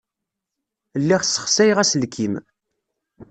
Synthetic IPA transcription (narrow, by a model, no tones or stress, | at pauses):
lːiʁsə̥χsæjʁæsəlkʰim